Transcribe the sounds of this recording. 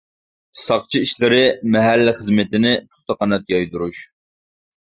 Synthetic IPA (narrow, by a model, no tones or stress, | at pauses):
sɑχt͡ʃʰiiʃlɪɾɪmɛɦælːɪχəzmɪt̪ɪnɪt͡ʃʰu̥χt̪ɑqɑnɛt̪̚jɑjd̪uɾuʃ